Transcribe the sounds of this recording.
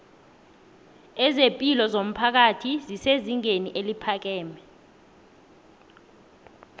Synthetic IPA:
ɛzepʼilɔzom̩pʰak̬atʰiziseziŋeniʔelipʰak̬ɛːmɛ

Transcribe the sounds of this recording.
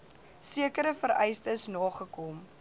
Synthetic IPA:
siəkəɾəfəɾɛjstəsnɑːχəkɔm

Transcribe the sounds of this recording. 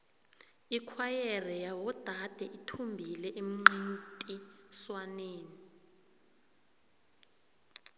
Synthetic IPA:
ikʰwajɛrɛjawɔd̥ʱad̥ʱɛʔitʰumbʱilɛʔem̩ŋ͡ǀintʼiswaneːni

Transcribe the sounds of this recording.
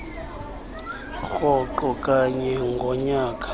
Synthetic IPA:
xxɔǃɔkʼaɲɛŋɡʱɔɲaːkʼḁ

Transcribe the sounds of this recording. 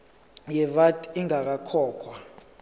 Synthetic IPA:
jɛvatʼiŋak̬akʰɔːkʰwa

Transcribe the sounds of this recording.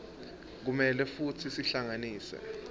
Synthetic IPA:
k̬umɛlɛfutʰisiɬaŋaniːsɛ̰

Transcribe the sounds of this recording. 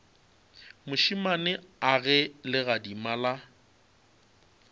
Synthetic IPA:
mʊʃimanɪaɣɛlɪɣadimala

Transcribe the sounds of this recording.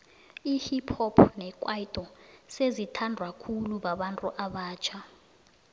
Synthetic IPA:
ihipʰɔpʰnɛkʼwaitʼɔsezitʰandʱwakʰuluɓaɓantʼuʔaɓaːt͡ʃʰa

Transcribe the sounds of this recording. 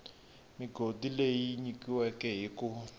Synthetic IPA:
miɡʱodilejiɲikiwɛkɛɦiku

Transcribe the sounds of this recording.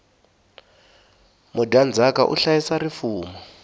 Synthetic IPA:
mudʱand͡zakaʔṵɬajisarifuːmɔ

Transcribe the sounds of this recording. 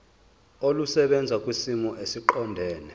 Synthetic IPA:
olusɛɓɛnd͡zʱakʼwisimɔʔesiǃɔndʱɛːnɛ

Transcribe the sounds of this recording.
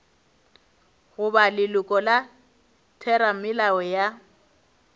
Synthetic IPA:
ɣʊbalɪlʊkʼɔla | tʰɛɾamɪlawɛja

